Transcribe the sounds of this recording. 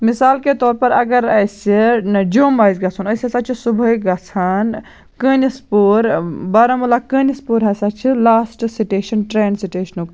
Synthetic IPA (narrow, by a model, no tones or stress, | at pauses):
misaːlket̪ɔːɾpɐɾɐɡəɾəjsed͡ʒoːmbaːjzɡɐt͡sʰunɐjsesat͡ʃʰisubʱəjɡɐt͡sʰan | kənispuɾbɐɾɐmulakənispuɾɦɐsat͡ʃʰilaːsʈsiʈeːʃɐnʈɾeːnsiʈeʃnok